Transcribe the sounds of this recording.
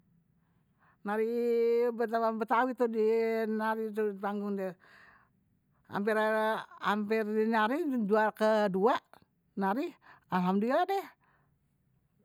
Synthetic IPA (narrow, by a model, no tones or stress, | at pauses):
naɾibət̪awabət̪awit̪udinaɾit̪upaŋɡuŋdɛ | a̰mpira̰mpɛrdinaɾiduakəduaʔ | naɾialamdiadɛh